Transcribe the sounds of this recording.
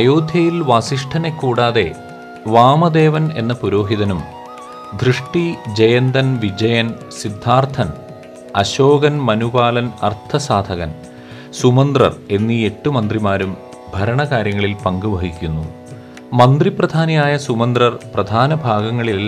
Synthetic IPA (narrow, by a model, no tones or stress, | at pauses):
ɐjo̞ːd̪ʱjɐjilʋaːsiʂʈʰɐne̞kːuːɽaːðe̞ | ʋaːmɐd̪e̞ːʋɐne̞nːɐpuɾo̞ːɦiðɐnum | d̪ʱrɨʂʈid͡ʑejɐnd̪ɐnʋid͡ʑɐjɐn | sid̪ʱːaːrt̪ʰɐn | ɐɕoːɡɐnmɐnubaːlɐnɐ̰rt̪ʰɐsaːd̪ʱɐɣɐn | sumɐnd̪rɐ̰re̞nːie̞ʈːumɐnd̪rimaːɾum | bʱɐɾɐɳɐkaːɾjɐŋːɐɭilpɐŋɡuʋɐɦikʲːunːu | mɐnd̪riprɐd̪ʱaːnɐjaːjɐsumɐnd̪rɐrprɐd̪ʱaːnɐbʱaːɡɐŋːɐɭil